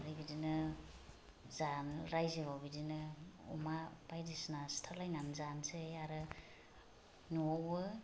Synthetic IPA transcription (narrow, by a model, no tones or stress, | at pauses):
aɾibidinɯ | zanɾajziβawbidinɯɔ̰mab̥ajdisnastʰalajnanzansejaɾɯ | nuɔwɯ